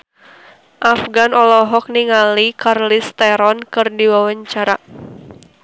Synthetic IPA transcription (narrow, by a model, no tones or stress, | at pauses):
ʔafɡanɔlɔɦɔk̚niŋalikarlist̪ɛɾɔnkɨrdiwawaɲt͡ʃaɾa